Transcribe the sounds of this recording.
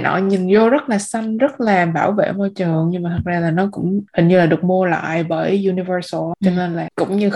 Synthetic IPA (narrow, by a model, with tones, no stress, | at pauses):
nʔɔ̰˧˨ɲi˨˩nzo˧zə˦˥t̚laː˨˩sa˧jŋ̟zə˦˥t̚laː˨˩ɓaː˧˩wvḛ˧˨mɔ˧jt͡ɕəː˨˩əŋɲɨ˧ŋmaː˨˩t̪ʰə˨˩k̚zaː˧laː˨˩nɔ˨˦kʊ̰˧˥ŋ͡mhï˨˩ŋ̟ɲɨ˧laː˨˩ɗɨ˨˩ək̚mu˧əla̰ː˧˨jɓəː˧˩ju˧ni˧vəː˧st͡ɕɔ˧ŋə˧nlaː˨˩kʊ̰˧˥wŋ͡mɲɨ˧